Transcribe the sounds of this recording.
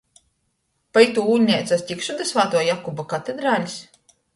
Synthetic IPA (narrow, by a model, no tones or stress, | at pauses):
pait̪uuːlʲɲʲɛjt̪sasʲtʲikʃud̪asvaːt̪uɔjakubakat̪ed̪ɾaːlʲis